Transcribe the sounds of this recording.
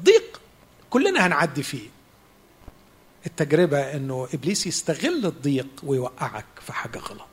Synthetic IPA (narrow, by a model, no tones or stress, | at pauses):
ɨd̪ˤːiːq | kʊlːɪnæhænʕad̪ːifi | ʔɪt̪ːæɡɾɪbæʔɪnːʊʔɪbliːsjɪst̪æɣɪlːɨd̪ˤːiːqwɪjwaʔːɪʕa̰kfiħaːɡæ̰ɣɑ̰lɑt̪ˤ